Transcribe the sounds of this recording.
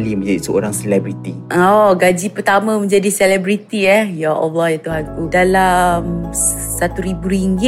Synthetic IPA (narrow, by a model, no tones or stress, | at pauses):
limə̃ɲd͡ʒadisəo̰ɾaŋsɛlɛbɾit̪iʔɔɡad͡ʒipərt̪amə̃mə̃ɲd͡ʒadisɛlɛbɾit̪iɛhjaʔɔflɔhjat̪uɦankudalamsat̪uɾibuɾiŋɡɪ